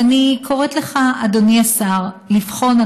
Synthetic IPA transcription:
anikʰo̞ʁet̪le̞χaad̪oniasaʁlifχo̞na

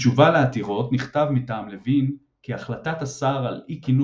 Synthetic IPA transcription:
t͡ʃuvaleat̪iʁo̞tniχtavmitaːmlevin | kiaχlat̪at̪asaʁalikinu

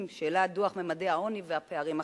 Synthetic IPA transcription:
mʃeːladuaχmemadehao̞niveapeaʁima

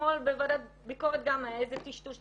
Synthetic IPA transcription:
olbevad̪a | biko̞ʁet̪̚ɡamaejzet̪iʃtuʃ

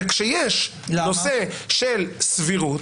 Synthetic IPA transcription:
kʃejeʃlanoseʃelsviʁut

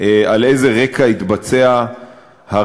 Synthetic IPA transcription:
alejze̞ʁe̞kait̪bat͡sea | ha

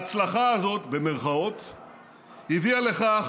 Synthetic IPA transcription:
t͡slaχaːzo̞t̪be̞me̞ʁχao̞t̪ | hiviale̞χa

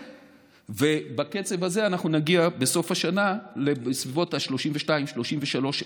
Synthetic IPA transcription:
ve̞baket͡sevhaze̞anaχnunaɡiabe̞so̞fhaʃanale̞svivo̞thaʃlo̞ʃimveʃtaimʃlo̞ʃimve̞ʃalo̞ʃ

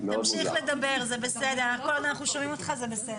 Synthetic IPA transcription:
amʃiχle̞d̪abe̞ʁzebesedenakolanaχnuʃomimot̪χazebesed

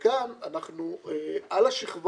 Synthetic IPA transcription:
ɡamanaχnueʔalaʃiχv

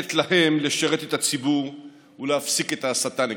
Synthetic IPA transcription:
t̪lahe̞mleʃaʁet̪et̪at͡sibuʁ | uleafsiket̪asat̪an

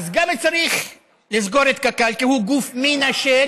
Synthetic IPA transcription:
zɡamet͡saɾiχ | lizɡo̞ɾet̪kakalkihuɡufminaʃe

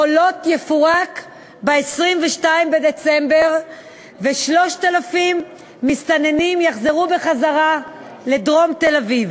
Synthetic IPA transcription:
olo̞tjefuʁak | beesʁimveʃtaimbedet͡sembe̞ʁ | veʃlo̞ʃtalafimː | ist̪ane̞nimjaχzeʁube̞χazaʁa | le̞dʁo̞mt̪e̞laviv

